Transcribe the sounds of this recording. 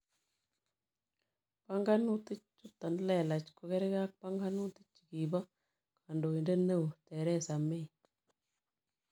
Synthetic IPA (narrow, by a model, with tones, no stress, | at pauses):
pa˦ŋɡa˦nu˦ti˦t͡ʃt͡ʃːu˦t̪ːa˨nlɛ˨la˨t͡ʃko˨kɛ˦ɾɪ˦ka˦k̚pa˦ŋɡa˦nu˦ti̥˦t͡ʃːi̥˨ki˨ba˦ | kʰa˨ndo˨e˨nde˦ne˦o˨tɛ˨ɾɛ˦sa˨me˦i˨